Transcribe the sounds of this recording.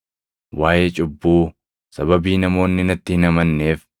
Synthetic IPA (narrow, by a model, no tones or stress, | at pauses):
waːʔeːt͡ʃʼʊbːuː | sɐbɐbiːnɐmo̞ːnːɪnɐt̪ːɪhɪnɐmɐnːe̞ːf